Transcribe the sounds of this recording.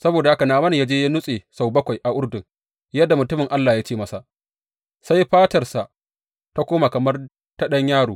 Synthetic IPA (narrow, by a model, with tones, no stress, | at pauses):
sɐ˦boː˨da˨ha˦ka˨naː˨mɐ˦ni˨jaː˦d͡ʒeː˦ja˦nʊ˦sʼe˨sa˨wbɐ˦kʷa˨jʔa˨ʔʊ˦rdʊ˨ŋ | jɐ˦dːa˨mʊ˨tʊ˦mɪ˨ŋʔa˦lːaː˨jaː˦t͡ʃeː˦˨mɐ˦sa˨ | sa˦jɸaː˦tɐ˨rsa˨ʔ | ta˦kʷoː˦ma˨kɐ˨mɐ˦r | tɐ˦ɗɐ˦ɲjaː˦ɽoː˨